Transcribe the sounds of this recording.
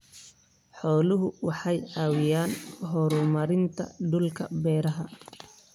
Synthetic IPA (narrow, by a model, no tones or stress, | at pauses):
ħɔːlʊɦʊwɑħɑjʕɑːwɪjaːnɦɔːɾʊmɐɾɪnt̪ʰɐ̰ɖʊlkʰɐ̰bɛːɾɐɦɐ